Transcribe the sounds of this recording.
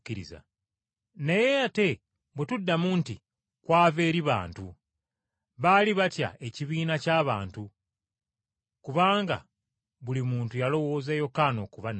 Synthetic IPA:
iɾḭza̰ | nejeate̞ | bwetudːamuːnti | kwaːve̞ːɾiβa̰ːntu | βaliβatja̰e̞ciβiːnacaːβaːntu | kuβaːŋɡa̰ | βulimuːntujalo̞wo̞ːzejo̞kaːno̞ːkuβan

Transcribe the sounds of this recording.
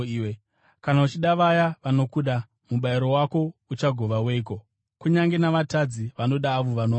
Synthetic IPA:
we | kanaut͡ʃiɗaʋajaʋano̞kuɗa | muɓaiɾo̞wako̞ut͡ʃaɡʱo̞ʋaweik̬o̞ | kuɲaŋɡe̞naʋatad͡ziʋano̞ɗaːʋoʋano

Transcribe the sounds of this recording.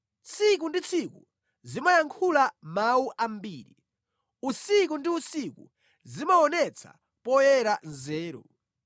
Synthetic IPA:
t͡sʰik̬undit͡sʰiku | zimajaŋkʰulamauʔambiːɾḭ | usikundiusikṵ | zimaɔnɛt͡sʰa̰ | pɔjɛɾanzɛːɾɔ̰

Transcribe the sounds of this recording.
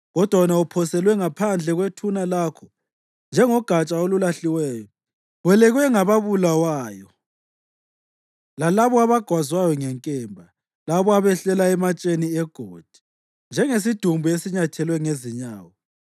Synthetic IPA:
ɣɔd̥ʱwanaupʰɔsɛlwɛŋapʰand͡ɮʱɛɣwetʰunalakʰɔ | nd͡ʒʱɛŋɔɡ̥ʱat͡ʃʼaolulaɬiwɛːjɔ | βwɛlɛɣwɛŋaβaβulawaːjɔ | lalaβɔaβaɡ̥ʱwazwajɔŋɛŋkʼɛːmbʱa | laβɔaβɛɬɛlaɛmat͡ʃʼeniɛɡ̥ʱoːd̥ʱi̥ | nd͡ʒʱɛŋes̬id̥ʱumbʱuesiɲatʰɛlwɛŋeziɲaːwɔ

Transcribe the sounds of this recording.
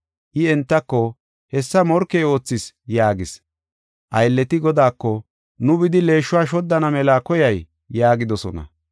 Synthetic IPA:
ʔɪɛnt̪ːɐkːɔ | hɛsːɐmɔɾkːeːo̞ːt͡sːɪs | jaːɡɪs | ʔɐjlːɛt̪ɪɡɔd̪aːkːɔ | nʊbɪd̪ɪle̞ːʃːʊwaːʃ̬ɔd̪ːɐnɐmɛlaːkɔjɐjː | aːɡɪd̪ɔsɔ̰nɐ̰

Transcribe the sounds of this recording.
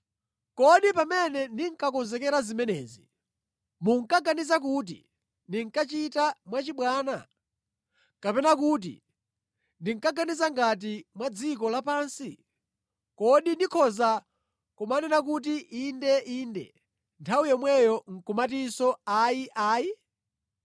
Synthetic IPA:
kɔɗipamɛnɛndiŋ̩kakɔnzɛkɛɾazimɛnɛːzi | muŋ̩kaɡanizak̬uːt̬ḭ | ndiŋkat͡ʃitamwat͡ʃiɓwaːna | kapɛnak̬ut̬ḭ | ndiŋkaɡanizaŋɡat̬imwad͡zikɔlapaːnsi | kɔɗindikʰɔza | kumanɛnakut̬iʔindɛʔiːndɛ̰ | ntʰawujɔmwɛjɔŋ̩kumat̬isɔaiʔaːi

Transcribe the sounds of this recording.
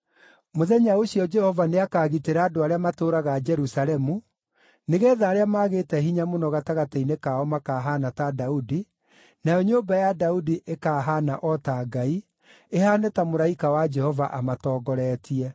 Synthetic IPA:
moðɛɲaoɕijɔd͡ʒɛhɔvaneakaːɣiteɾaːdoaɾeamatoɾaɣad͡ʒɛɾusaɾɛmu | neɣɛːðaːɾeamaɣeːtɛɦiɲamonɔɣataɣatainekaɔmakaːɦanatadaudi | najɔɲoːmbajadaudiʔekaːɦanaʔɔtaɡai | ehaːnɛtamoɾaikawad͡ʒɛhɔvaʔamatɔːɡɔɾɛːtiɛ

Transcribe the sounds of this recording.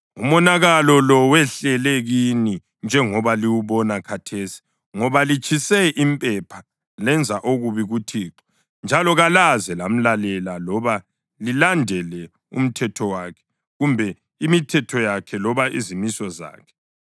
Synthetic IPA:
umɔnaɣalɔlɔwɛɬɛlɛɣini | nd͡ʒʱɛŋɔβaliwuβɔnakʰatʰesi̥ | ŋɔβalit͡ʃʰʼisɛʔimpʼɛpʰa | lɛnd͡zʱaʔoɣuβiɣutʰiːǁɔ̥ | nd͡ʒʱalɔɣalazɛlam̩lalɛlalɔβa | lilandʱɛlɛ | ṵm̩tʰɛtʰɔwaːkʰɛ̥ | ɣumbʱɛ | imitʰɛtʰɔjakʰɛlɔβaʔḭzimisɔza̰ːkʰɛ̥

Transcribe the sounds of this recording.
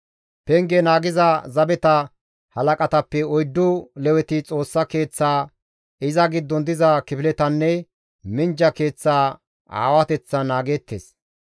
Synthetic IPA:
pɛŋɡɛnaːɡɪzɐzɐbɛt̪ɐ | hɐlɐkʼɐt̪ɐpːɛɔjd̪ːʊlɛwɛt̪ɪt͡sʼo̞ːsːɐke̞ːt͡sːaː | ɪzɐɡɪd̪ːɔnd̪ɪzɐkɪpɪlɛt̪ɐnːɛ | mɪnd͡ʒɐke̞ːt͡sːaː | ʔa̰ːwɐt̪ɛt͡sːɐnaːɡeːt̪ːeːs

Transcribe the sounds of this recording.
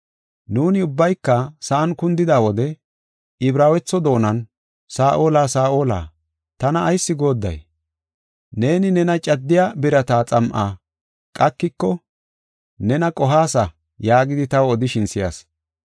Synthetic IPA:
nuːnɪʊbːɐjkːɐsɐʔɐnkʊnd̪ɪd̪aːwɔd̪ɛ | ɪbɾaːwɛt͡sːɔd̪o̞ːnɐn | saːʔo̞ːlaːsaːʔoːla̰ː | t̪ɐnɐːjsːɪɡo̞ːd̪ːɐ̰j | ne̞ːnɪnɛnɐt͡ʃʼɐd̪ːɪjabɪɾɐt̪aːt͡sʼɐmʔaː | kʼɐkːɪkːɔ | nɛnɐkʼɔɦaːsɐ | jaːɡɪd̪ɪt̪ɐwɔd̪ɪʃɪnsɪjɐ̰s

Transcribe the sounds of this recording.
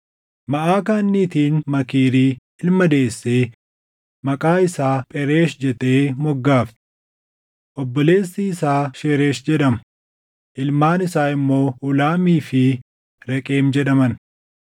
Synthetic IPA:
mɐʔaːkaːnːiːt̪iːnmɐkiːɾiː | ɪlmɐd̪e̞ːsːeː | mɐkʼaːɪsaːpʼɛɾe̞ːʃd͡ʒɛt̪eːmɔɡːaːft̪ɪ̥ | ʔɔbːɔle̞ːsːiɪsaːʃeːɾeːʃd͡ʒɛᶑɐm | ʔɪlmaːnɪsaːɪmːo̞ːʔʊlaːmiːfɪ | ɾɛkʼeːmd͡ʒɛᶑɐmɐn

